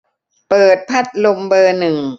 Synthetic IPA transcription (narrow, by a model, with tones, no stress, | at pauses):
pɤː˨˩t̪̚pʰa˦˥˩t̪̚lo˧mbɤː˧nɯ˨˩ŋ